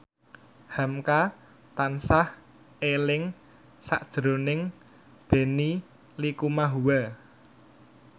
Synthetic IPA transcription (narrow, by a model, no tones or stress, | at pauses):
hamka | t̪ansah | elɪŋ | sa̰ʔd̥ʒ̥ɾo̤nɪŋ | b̥e̤ni | likumaɦuwa